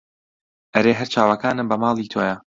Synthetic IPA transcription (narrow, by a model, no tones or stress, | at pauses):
ʔɐɾeːɦɐɾt͡ʃaːwɐkaːnɨmbɐmɑːlˠiːt̪ʰoːjɐ